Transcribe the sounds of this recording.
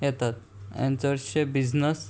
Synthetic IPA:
jɛt̪at̪̚ | ã̰nt͡sʋəɾɕebid͡znəs

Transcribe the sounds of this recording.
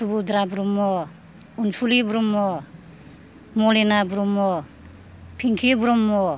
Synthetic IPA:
subud̪ɾabɾumɔ | unsulibɾumːɔ | mɔlenabuɾumɔ | pʰiŋkʰibuɾumːɔ

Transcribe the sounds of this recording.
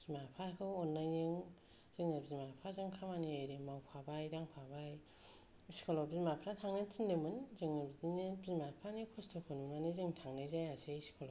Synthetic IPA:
zimapʰakʰɯwɔnːajɯŋ | z̥ɯŋnɯbzimapʰɾazaŋkʰamanieɾemawpʰabajɾaŋpʰabaj | si̥kʰolɔbizimapʰɾatʰaŋnɯtʰindemɯnzɯŋnɯbzidinebimapʰanikʰɔstʰɯkʰɯnunanizɯŋtʰaŋnɯjzajasejsi̥kʰolo

